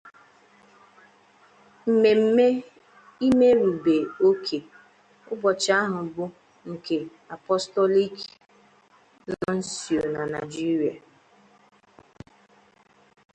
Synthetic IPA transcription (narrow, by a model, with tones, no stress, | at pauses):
m̩˨me˨m̩˨e˦ | i˦me˦ɾu˨be˨o˦kʰe˨ | ʊ˦bɔ˨t͡ʃa˦a˦ɦʊ˨bʊ˦ | ŋ̩˨ke˨ | a˨pɔ˦stɔ˦li˦k | zɔ˦n̩˦si˨o˨na˨na˨d͡ʒi˦ɾi˨a˨